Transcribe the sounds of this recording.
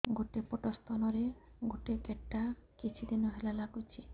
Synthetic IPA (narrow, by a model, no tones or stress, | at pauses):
ɡoʈepoʈɔst̪ʰɔnɔɾe | ɡoʈekeʈːakit͡ʃʰid̪inɔɦelalaɡut͡ʃʰi